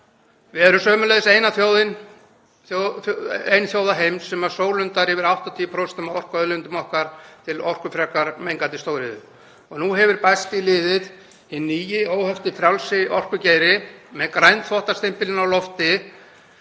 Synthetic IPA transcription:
vɪðɛɾʏmsœːmʏleðɪseːjnaθjoːwðɪn | ejnθjoːwðaɦejmsːɛmasoːwlʏnt̪aɾhɛvɪɾawht̪at̪ʰiːpʰɾost̪ʏmaðɔr̥kœðlʏnt̪ʏmɔhkaɾ̥t̪ʰɪlɔr̥kʏfɾɛkaɾmejŋkant̪ɪst̪owɾɪðʏ̰ | ɔɣnuɦɛvʏɾpajst̪ilɪːðɪð | hɪnːiːjɪoːwhœft̪ɪfɾjawlsɪʔɔ̰r̥kʏceːjɾɪmɛðkɾajnt̪θɔht̪ast̪ɪm̥pɪlɪnawlɔft̪ɪ

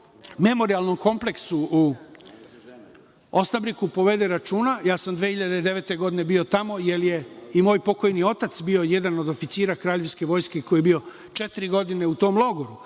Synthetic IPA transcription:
me̞mo̞ɾialˠno̞mko̞mple̞ksuu | osnabɾikupo̞ʋe̞d̪eɾat͡ʃuːnajaːsamd̪ʋehiʎad̪ed̪e̞ʋe̞t̪e̞ɡo̞d̪ine̞bio̞t̪amo̞je̞lje̞imo̞ːjpo̞ko̞jnio̞t̪at̪sbio̞je̞d̪ano̞d̪o̞fit̪siːɾakɾaːʎeʋske̞ʋo̞ːjskeko̞jebio̞ | t͡ʃe̞t̪iɾiɡo̞d̪ine̞ut̪o̞ːmlˠo̞ɡo̞ɾu

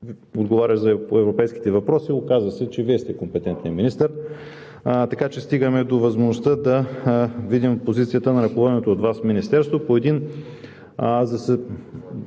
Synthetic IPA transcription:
od̪ɡovaɾʲəʒzɐpoɛvɾopɛjski̥t̪ɛvɐpɾɔsiokazəsɛt͡ʃɛviɛst̪ɛkompɛt̪ɛnt̪nɛminist̪əɾ | t̪ɐkat͡ʃɛst̪iɡəmɛd̪ovɐzmoʒnʊst̪əd̪ɐvid̪impozit̪sijət̪ənɐɾɐkovɔd̪ɛnɛt̪oːd̪vasfminist̪ɛɾst̪vopoɛd̪in | zɐsɛ

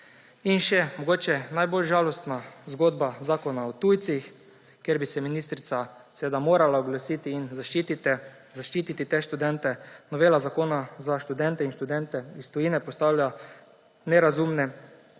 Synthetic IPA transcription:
inʃɛmɔɡoːt͡ʃɛnajbolʒaːlɔst̪nazɡoːd̪bazaːkɔnaɔt̪ujt̪six | kjeɾbisɛminist̪ɾit̪sasɛʋeːd̪amoːɾalaɔɡlasiːt̪iinzaʃit̪it̪ɛ | zaʃt͡ʃiːt̪it̪it̪eʃt̪ud̪ɛnt̪ɛnɔʋeːlazakoːnazaʃt̪ud̪ɛnt̪ɛinʃt̪ud̪ɛnt̪ɛist̪ɔjinɛpɔst̪awlja | nɛɾazumnɛ

